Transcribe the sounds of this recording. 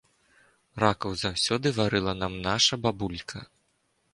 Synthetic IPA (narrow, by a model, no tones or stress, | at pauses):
rakɐwzawsʲɔd̪ɨvaɾɨlˠɐnamnaʂɐbabulʲkʰɐ